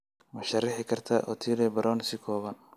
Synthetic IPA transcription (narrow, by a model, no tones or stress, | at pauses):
mɐʃɐrːɪħɪkʰɐrt̪ʰɐ̰ʔɔ̰t̪ʰiːlɛbɐɾʔɔːnsɪkʰɔːβɐn